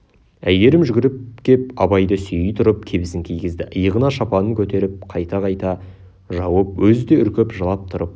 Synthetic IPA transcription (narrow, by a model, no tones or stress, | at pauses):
æje̞ɾɪmʒʏɡʲɪɾɪp̚kʲʰe̞p̚ɑbɑjd̪əsʏjɪjt̪ʰʊɾəp̚kʲʰe̞bɪsɪŋkʲʰijɡʲɪzd̪ɪʔəjəʁənɑʃɑpɑnəŋkʲʰɵt̪e̞ɾɪp̚qʰɑjt̪ɑqʰɑjt̪ɑ | ʒɑwəp̚wɵzɪd̪e̞ʏɾkʲepʒəlˠɑp̚t̪ʰʊɾəp̚